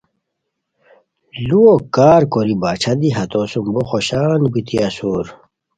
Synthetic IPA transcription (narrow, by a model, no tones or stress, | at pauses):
luokaːɾkoɾibaːt͡ɕʰɐd̪iɦɐt̪oːsumboxoɕaːnbit̪iasoːɾ